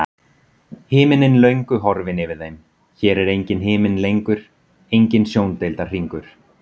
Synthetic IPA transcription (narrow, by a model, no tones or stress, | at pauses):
hɪːmɪnɪnlœɥŋkʏɦɔɾvɪnɪvɪðːejm | çɛːɾɛɾejɲcɪnɦɪːmɪnlejŋkʏɾ̥ | ejɲcɪnsjoːwnt̪ejlt̪ḁr̥iŋkʏɾ̥